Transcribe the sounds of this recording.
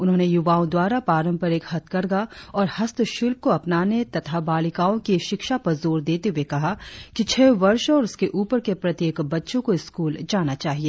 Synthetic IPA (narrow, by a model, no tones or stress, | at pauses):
ʊnɦõːnejʊʋaːõd̪waːɾapaːɾə̃mpɐɾekhɐt̪̚kɐɾɡaɔːɾhɐst̪ʰʃʊlp̚koɐpnaːnet̪ɐt̪ʰabaːlɪkaːõkiʃɪkʃapɐɾzoːɾd̪eːt̪eɦuwekɐɦakit͡ʃʰɛːʋɐɾʃɔːɾʊskeʔuːpəɾkepɾɐt̪jeːkbɐtːʃõkoɪskuːld͡ʒaːnat͡ʃaːɦieː